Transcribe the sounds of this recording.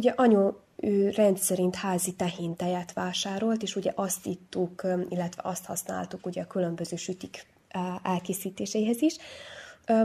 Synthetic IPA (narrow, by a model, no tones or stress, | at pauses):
uɟɛʔɒɲo | øːrɛnt̪sɛɾint̪haːzit̪ɛhint̪ɛjɛt̪ʋaːʃaːɾo̞lt̪eːʃuɟɛ̰ʔɒst̪it̪ːukilːɛt̪ʋɛ̰ʔɒst̪hɒsna̰ːlt̪ukuɟɛɒkylø̞mbøzøːʃyt̪ikː | ɛlkeːsiːt̪eːʃɛjiɦɛziʃ